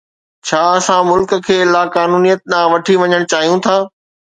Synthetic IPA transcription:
t͡ɕʰaːɐsãmʊlkə̆kʰeːlaːkaːnuːnijət̪̚ɗãːʋɐʈʰiʋɐɲəɽ̃t͡ɕaːɦijũt̪ʰaː

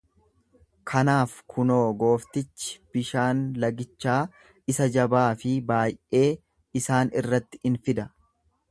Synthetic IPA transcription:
kʰɐnaːfkʰʊno̞ːɡo̞ːft̪ɪt͡ʃːɪ̥b̥ɪʃaːnlɐɡɪt͡ʃːaː | ɪsɐd͡ʒɐbaːfɪbaːjʔe̞ː | ɪsaːnɪrːɐt̪ːɪ̥ɪnfɪd̪ɐ

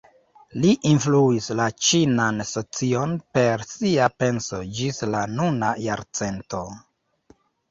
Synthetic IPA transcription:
liʔinfluislat͡ʃinanso̞t͡sio̞npe̞ɾsiape̞nso̞d͡ʒislanuna̰jaɾt͡se̞nto̞

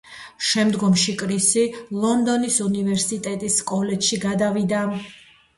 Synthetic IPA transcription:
ʃɛmd̪ɡɔmʃikʼɾisilˠɔnd̪ɔnisunivɛɾsit̪ʼɛt̪ʼisːkʼɔlɛt̪ʃiɡad̪avid̪a

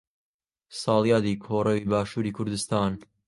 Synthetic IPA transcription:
sɑːlˠjɑːd̪iːkʰoːɾɐwiːbaːʃuːɾiːkʰʊɾd̪ɨst̪ɑːn

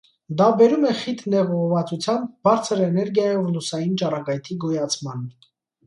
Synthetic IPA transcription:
d̪ɑbɛɾumɛχit̪ʰnɛʁɔʁɔvɑt͡sut͡sʰjɑmb̚ːɑɾt͡sʰəɾɛnɛɾɡjɑjɔvlusɑjint͡ʃɑrɑɡɑjt̪ʰiɡɔjɑt͡sʰmɑn

